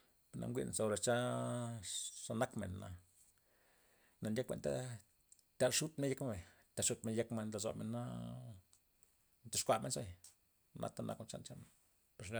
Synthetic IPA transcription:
pe˨na̰˧ŋɡʷḭ˦˧n˨sa˧o˧ɾa˨t͡ʃa˦ | ʂa˧na˦kmḛ˨nːa̰˨ | na˧nd̪ʲe˦kʷḛ˧nt̪a̰˦ | t̪ʲa˧˨ʂu˦t̪me˦nje˦kme˦be˨ | t̪ʲa˨ʂu˦t̪me˧nje˧kme˧nla˨zo̰˨me˧nːa̰˦ | nt̪a˧ʂkʷa˧˨me˧nso˦j | nʔa̰˧t̪a˦˧nʔa̰˦ko˧t͡ʃa̰˦nt͡ʃa˦n | pe˨ɾ

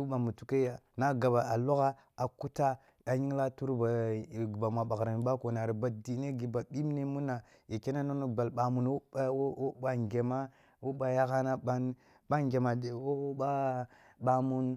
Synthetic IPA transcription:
u˦ba˨mu˨tu˦ke˦ja˨na˦ɡa˨ba˨ʔa˨lo˦ɣa˦ | a˨ku˦ta˦ | a˨ɲi˦ŋ˦la˦tu˦ɾba˨ba˨ma˨ɓa˨kɾa˨mi˨ɓa˦ko˨na˨ɾi˨ba˨di˨˦ne˦ɡi˨ba˨ɓi˦m˦ne˦mu˦na˨ | je˨ke˦na˦no˦no˦ba˨lɓa˨mu˨n˦o˦ba˨ŋɡe˨ma˦ | wo˦ɓa˨ja˦ka˦na˦ɓa˦n | ɓa˦ŋɡe˨ma˨de˨wo˦ba˦ | ɓa˨mu˦n

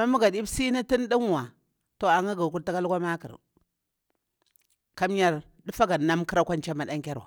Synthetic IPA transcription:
ma˦mu˦ɡa˨di˦bsi˦ni˦ti˦n˦di˦ŋ˨wa˨ | to˨a˨ŋa˦ɡa˨ku˦ɾta˦ka˦lkʷa˦ma˦kḭ˨ɾ | ka˦m˦ja˦ɾ | du˦fa˦ɡa˨na˦mki˦ɾa˦kʷa˦n˦t͡ʃa˦ma˨ɗa˦ŋ˦kʲa˦ɾwa̰˨

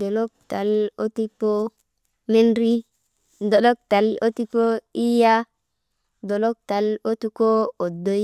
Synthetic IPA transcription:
do˨lo˦k̚ta˨lo˦ti˦po˦ | me˦nɾi˦ | do˨ɗo˦k̚ta˨lo˦ti˦po˦i˦ja˦ | do˨lo˦k̚ta˨lo˦tu˦ko˦o˨do˨j

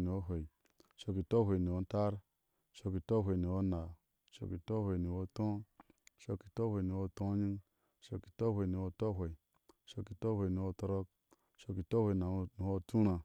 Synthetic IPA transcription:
ni˨o˦ɦʷe˨i˨ | ʃo˧ki˨to˦ɦʷe˨ni˨o˧˦n˦ta˦ɾ | ʃo˧ki˨to˦ɦʷe˨ni˨o˦na˨ | ʃo̰˦ki˨to˦hʷe˨ni˨wo˦tõ˦ʃo˧ki˨to˦hʷe˨ni˨wo˦tõ˦ɲi˦ŋ | ʃo˧ki̥˨to˦hʷe˨ni˨wo˧to˦ɦe˨ | ʃo˦ki˨to˦hʷe˨ni˨wo˦˧to˧ɾo˦k̚ | ʃo˧ki˨to˦hʷe˨na˨˦ni˨ho˦tu˦ɾa˨

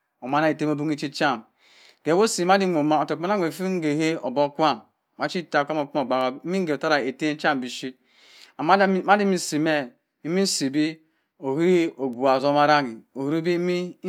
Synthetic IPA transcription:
o˨ma˦na˦e˨te˦mo˦bu˦ŋi˦t͡ʃi˦t͡ʃa˦˨m | ɡ̥e˨wo˦si˨˦ma˦di˦ŋʷo˨ma˨o˨to˨˦a˦na˦ŋʷ˨e˨fi˦ŋ̩˦ɡe˨ɦe˦o˨bo˦kʷa˦˨m˨ | ma˨˦t͡ʃi˦˨ta˨kʷa˦mo˨k͡pu˦mo˨ɡ͡ba˨wa˨˦mi˦ŋ˦ɡe˨ta˦ɾa˨e˨te˦t͡ʃa˦˨m˨bi˨ʃi˦˨˦ | ma˦di˦mi˦˨si˨me˦ | i˦mi˦si˨bi˦ | o˨hi˦i˦o˨ɡʷu˨a˨zo˦ma˦ɾa˦ŋi˨o˨˦ɾu˦bi˦mi˦

